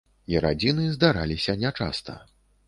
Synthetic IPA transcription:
iɾa̰d͡zʲinɨzd̪aɾalʲisʲɐnʲat͡ʂa̰st̪ɐ̰

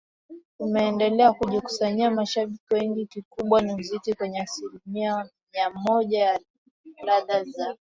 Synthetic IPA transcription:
umɛɛndɛlɛakuʄiku̥saɲiamaʃaɓikiwɛŋɡikikuɓwanim̩zitikwɛɲɛasilimiamiamɔʄaja | laðaza

